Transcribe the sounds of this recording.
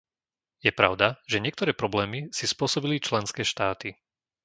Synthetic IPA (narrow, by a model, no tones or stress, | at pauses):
jɛpɾa̰ʊd̪aʒɛɲɪɛk̚t̪ɔɾɛːpɾɔblɛːmisispʊɔsɔbilit͡ʃlɛnskɛːʃt̪aːt̪i